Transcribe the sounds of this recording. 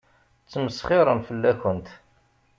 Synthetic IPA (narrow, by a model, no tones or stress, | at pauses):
t͡sːməsχɪɾˤənfəlːækənt̪